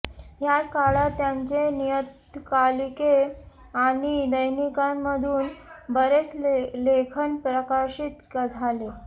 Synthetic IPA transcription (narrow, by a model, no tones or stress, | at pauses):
ɦjat͡skaɭat̪jaɲt͡ɕenijət̪ | kalike | aɽ̃id̪əjnikamːəd̪ʱuːnbəɾet͡slekʰənpɾəkaɕiːt̪kəd͡zʱale